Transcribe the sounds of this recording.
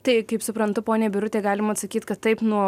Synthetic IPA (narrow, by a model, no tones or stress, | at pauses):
t̪ɐɪkɐɪpsʊpɾɐnt̪ʊpoːnʲeːbʲɪɾʊtʲeːɡɑːlʲɪmɐɐt̪sɐkʲiːt̪kɐt̪ːɐɪpnuɔ